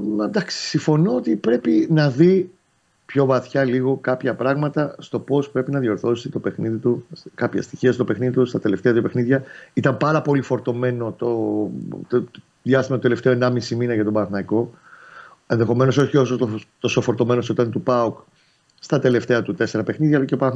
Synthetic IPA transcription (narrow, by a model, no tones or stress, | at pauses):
d̪ɐksi̥siɱfo̞noot̪ipɾe̞pinɐði | pço̞vɐθçɐliɣo̞kɐpçɐpɾɐɣmɐt̪ɐst̪o̞po̞spɾe̞pinɐðio̞ɾθo̞se̥set̪o̞pe̞xniðit̪uskɐpçɐ̰st̪içiɐst̪o̞pe̞xniðit̪ust̪ɐt̪e̞left̪e̞ɐt̪upe̞xniðʝɐit̪ɐmpɐɾɐpo̞lifo̞ɾt̪o̞me̞no̞t̪o | ðjɐst̪imɐt̪ot̪ele̞ft̪e̞o̞enɐmisiminɐʝɐt̪obɐnɐθnɐiko̞ | e̞nðe̞xo̞me̞no̞so̞çio̞sot̪ot̪osofo̞ɾt̪o̞me̞nosot̪ɐnt̪upɐuk | st̪ɐt̪e̞le̞ft̪e̞ɐt̪ut̪e̞se̞ɾɐpe̞xniðʝɐlɐceopɐ